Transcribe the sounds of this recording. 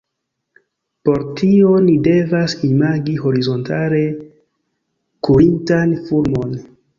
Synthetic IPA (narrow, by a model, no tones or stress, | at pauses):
po̞ɾtʰio̞nide̞vasimaɡiɦo̞ɾizo̞ntʰale̞ | kuintanfuɾmo̞n